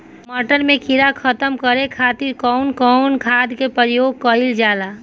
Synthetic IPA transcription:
məʈəɾmẽkʰiɾakʰət̪əmkəɾekʰaːt̪iɾkɔʊnkɔʊnkʰaːd̪kepəɾjoːɡ̚kəɪld͡ʒaːla

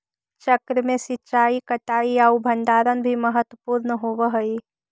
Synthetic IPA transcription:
t͡ʃəkɾəmẽsɪtːt͡ʃaːikəʈaːiaubʱə̃nd̪aːɾənbʱiməɦət̪wəpuːɾnəɦoːwəɦəi

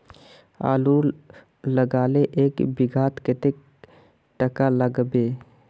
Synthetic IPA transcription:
a̰ːlu | ləɡaːleʔeːkbɪɡʱaːt̪ket̪ek̚ | ʈəkaləɡbeː

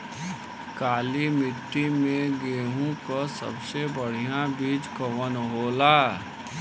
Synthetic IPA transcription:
kaːlimɪʈːimẽɡeːɦõkasə̰bsebəɽ̤ijãbiːd͡ʒkəwənɦoːlaː

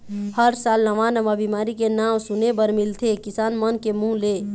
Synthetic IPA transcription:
həɾsaːlnəʋanəʋabimaːɾikenamsʊnebəɾmɪlt̪ʰekɪsaːnmənkemũle

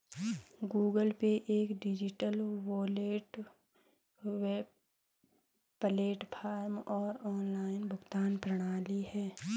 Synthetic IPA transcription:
ɡuːɡəlpeʔeːkɖɪd͡ʒɪʈəlwoːleːʈ | weːb | pəleːʈpʰaːɾmɔːɾɔːnlaːɪnbʱʊɡt̪aːnpɾəɽ̃aːlihɛː

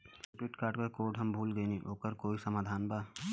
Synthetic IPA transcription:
sɪʈɾɪʈkaːɾʈkɐkoːɾɖɦɐmbʱuːlɡəeniʔoːkəɾkoːisəmaːd̪ʱaːnbaː

